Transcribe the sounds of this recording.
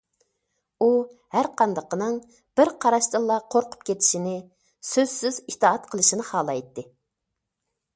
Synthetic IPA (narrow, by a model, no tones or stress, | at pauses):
uhæɾqʰɑnd̪əqənɨŋ | b̥ɪɾqʰɑɾɑʃt̪ɨlˠːɑqʰoɾqʰʊ̥p̚kʲʰet̪ʰɪ̥ʃinɪ | søz̥syz̥it̪ʰɑɑt̪qʰəlˠɨʃinɨhɑːlˠɑjt̪ːɪ